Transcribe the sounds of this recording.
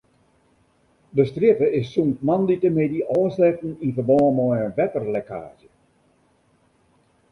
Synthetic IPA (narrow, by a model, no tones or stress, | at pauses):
dəstrjɪtəɪsːuntmanditəmediʔɔːslɛtn̩infərbɔːəmɔjənʋɛtərlekʰa̰ːzjə